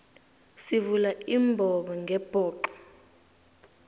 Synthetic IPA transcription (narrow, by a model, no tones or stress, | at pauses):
sivulaʔimbʱɔɓɔŋɡʱɛb̥ʱɔːǃɔ̥